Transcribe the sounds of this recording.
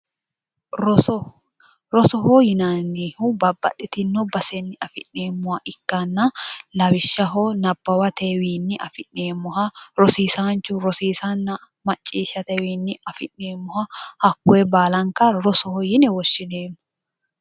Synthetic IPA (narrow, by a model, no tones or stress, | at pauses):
ɾɔ | ɾɔsɔɦojɪnɐnːehʊbɐbːɐ̰tːɪt̪ɪnːɔbɐsɛnːɪɐfɪ̰nːeːmːʊhɐʔɪkːɐnːɐlɐbɪʃːɐɦɔnɐb̥ːɐwɐt̪ewiːnːɪʔɐfɪʔːeːmːʊɦɐɾɔsiːsant͡ʃːʊɾɔsiːsɐnːɐ | mɐt͡ʃʼːiːʃːɐt̪ɛwiːnːɪʔɐfɪnːeːmːʊhɐhɐkːʊɛbaːlɐŋkɐɾɔsɔhɔjɪnɛwɔʃːɪneːmːʊ̥